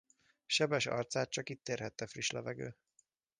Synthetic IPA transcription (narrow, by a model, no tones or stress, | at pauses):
ʃɛbɛʃɒ̰rt̪saːt̪̚t͡ʃɒkit̪ːeːrɦɛt̪ːɛfriʃlɛvɛɡø̰ː